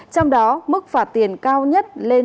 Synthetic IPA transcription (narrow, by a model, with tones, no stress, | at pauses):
t͡ɕɔ˧wŋ͡mɗɔ˨˦mɨ˦˥k̚faː˧˩t̪i˨˧˩ənkaː˧wɲə˦˥t̚le˧